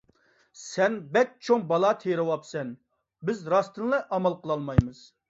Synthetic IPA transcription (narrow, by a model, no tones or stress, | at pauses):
sɛnbɛt̪̚t͡ʃʰoŋbɑlˠɑt̪ʰeɾɨwɑpsɛn | bɪzɾɑst̪ʰɨnlˠɛʔɑmɑlˠqʰəlˠɑlˠmɑjmɨz̥